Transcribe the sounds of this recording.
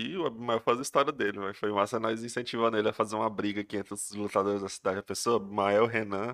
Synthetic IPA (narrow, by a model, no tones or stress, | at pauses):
ɪʊabimaɛwfazɐist̪ɔɾiɐd̪elɪvɛfojũasẽnajzĩsẽt͡ʃivɐ̃nd̪ʊelɪafazeɾũmɐbɾiɡɐkɪẽnt̪ɾɐʊzlut̪ad̪oɾɪzd̪ɐsid̪ad͡ʒɪɐpesoɐabimaɛwɦenɐ̃